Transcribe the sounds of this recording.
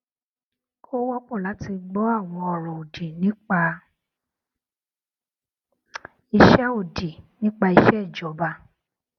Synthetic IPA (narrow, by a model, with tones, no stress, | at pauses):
kʰo˦wɔ˦k͡pɔ˦˨la˨˦ti˧ɡ͡bɔ˦a˦˨w̃ɔ̃˧ɔ˨ɾɔ̃˨o˨de˨nĩ˦k͡pa˧ | i˧ʃɛ˦o˨de˨nĩ˦k͡pa˧i˧ʃɛ˦i˦˨d͡ʒɔ˨˦ba˧˦